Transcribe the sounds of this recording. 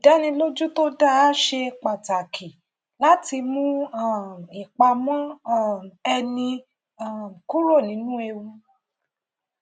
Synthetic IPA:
i˨da˨˦nĩ˧lo˦d͡ʒu˦to˦da˦ʃe˧k͡pa˨ta˨kʰi˨ | la˦ti˧mũ˦a˦˨i˨k͡pa˧mɔ̃˦˨ | ɛ˧nĩ˧ | a˦˨m˨ku˦ɾo˦˨nĩ˨˦nũ˦e˧wũ˧

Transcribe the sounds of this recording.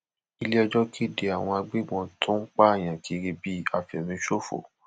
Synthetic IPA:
i˧le˦ɔ˧d͡ʒɔ˦kʰi˦˨de˧a˨w̃ɔ̃˧a˧ɡ͡be˦mɔ̃˧tʰũ˦k͡pa˦˨j̃ã˨ki˧˦ɾi˧bi˦a˨fɛ˨mĩ˧˦ʃo˦fo̰˨

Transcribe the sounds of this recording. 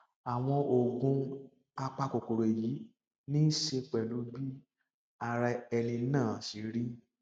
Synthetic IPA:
a˨w̃ɔ̃˧o˨ɡũ˧ | a˧k͡pa˧ko˨ko˨ɾe˨ji˨˦ | nĩ˦n̩˦ʃe˧k͡pɛ˨lu˨˦bi˦ | a˧ɾa˧ɛ˧lĩ˧˦nãː˦˨si˨˦ɾi˦

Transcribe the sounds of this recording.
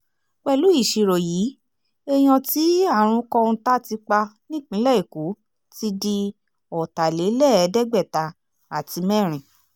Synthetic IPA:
k͡pɛ˧˨lu˨˦i˦˨ʃi˨ɾo˨jiː˨˦ | e˧j̃ɔ̃˧ti˦a˦˨ɾ̃ũ˧kɔ̃˧ñ̩˧ta˦ti˧k͡pa˧nĩ˦˨k͡pĩ˨˦lɛ˦i˨ku˨˦ | ti˧di˧ | ɔ˨ta˨le˨˦lɛ˦˨ɛ˨˦dɛ˦ɡ͡bɛ˦˨ta˧ | a˨ti˧mɛ̃˦˨ɾ̃ĩ˨

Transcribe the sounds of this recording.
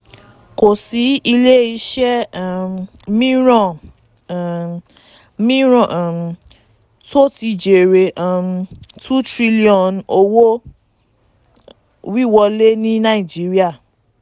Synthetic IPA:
ko˨si˨˦i˧le˦i˧ʃɛ˦˨ | mĩ˦ɾɔ̃˦˨ | mĩ˦ɾɔ̃˨ | to˦ti˧d͡ʒe˨ɾe˨ʔa˨tu˦tɾi˦li˦ɔ̃˨no˧wo˦ | wi˦˨wɔ˧le˦nĩ˦nã˦i˨d͡ʒi˨˦ɾi˦a˦˨

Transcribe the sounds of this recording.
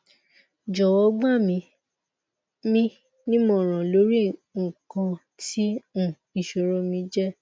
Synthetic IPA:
d͡ʒɔ˨wɔ˨˦ɡ͡ba˦˨mĩ˧ | mĩ˦ | nĩ˦mɔ̃˦˨ɾ̃ã˨lo˨˦ɾi˦ŋ̩˨kɔ̃˧ | ti˦ũ˦˨ | i˨ʃo˨ɾɔ˨˧mĩ˧d͡ʒɛ˦

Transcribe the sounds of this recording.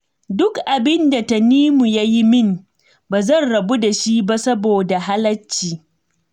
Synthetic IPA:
dʊ˦kʔa˨bɪ˦nda˨ta˦˨niː˦mu˨ja˦ji˦mɪ˦m | baː˨zɐ˦˨nɽɐ˨bu˦da˨ʃi˦ba˦sɐ˦boː˨da˨ɦa˦lɐ˦t͡ʃːiː˨

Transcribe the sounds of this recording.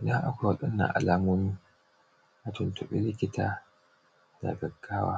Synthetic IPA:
na˦ʔa˦kʷa˨wɐ˨ɗɐ˦nːa̰˨ʔa̰˨laː˦mʊ˦mi˦ | ʔa˨tʊ˨ntʊ˨ɓɪ̰˦lɪ˦kʲɪ˦taː˨ | d̥a̰˨ɡɐ˨ɡːaː˦wa̰ː˦

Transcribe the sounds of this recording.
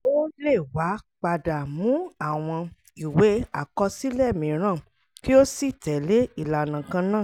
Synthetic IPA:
o˦le˦˨wa˨˦k͡pa˧da˨mũ˨˦a˦˨w̃ɔ̃˧ | i˨we˨˦a̰˦˨kɔ˧si˦lɛ˦˨mĩ˨˦ɾ̃ã˦˨ | ki˦o˦si˦˨tɛ˨le˦i˦˨la˨nã˨kã˧nãː˦˨

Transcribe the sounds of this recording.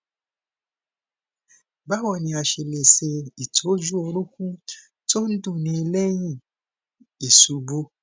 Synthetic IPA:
ba˦wɔ˦˨nĩ˧a˧ʃe˧le˨se˧i˨tʰo˨˦d͡ʒu˦o˧ɾu˦kũ˦ | to˦dũ˦˨nĩ˧i˧lɛ˦jĩ˦˨ | e˨su˨bo˧˦

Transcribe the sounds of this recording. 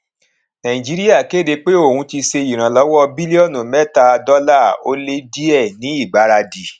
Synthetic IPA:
nã˨ĩ˨d͡ʒi˨˦ɾi˦a˦˨ke˦˨de˧k͡pe˦o˦˨hũ˧˦ti˧se˧i˨ɾ̃ã˨lɔ˨˦wɔ˦bi˦li˦ɔ˦˨nũ˨mɛ˦ta˨˧dɔ˦la˦˨o˦le˦di˦ɛ˦˨nĩ˨˦i˦˨ɡ͡ba˨˦ɾa˧di˨

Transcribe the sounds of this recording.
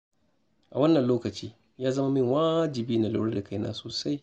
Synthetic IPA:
ʔa˨wɐ˦nːɐ˨nloː˦kɐ˨t͡ʃiː˦ | jaː˦zɐ˦ma˦mɪ˦ŋwaː˦d͡ʒɪ˨biː˦na˨lṵ˦ɽda˨ka˦jna̰ː˦soː˨sa˦j

